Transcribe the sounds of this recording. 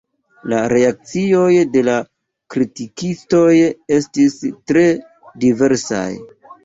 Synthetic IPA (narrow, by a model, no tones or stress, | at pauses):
laɾe̞ak̚t͡sio̞jde̞la | kɾitikisto̞je̞stistɾe̞ | dive̞ɾsa̰j